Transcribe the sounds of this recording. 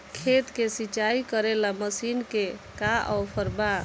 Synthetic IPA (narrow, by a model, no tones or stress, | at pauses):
kʰet̪kesit͡ʃaikəɾelaməsinkekaʔɔwpʰəɾba